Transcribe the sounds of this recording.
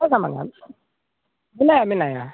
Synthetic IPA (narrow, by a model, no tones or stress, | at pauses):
akama̰na̰ | minajamĩnaja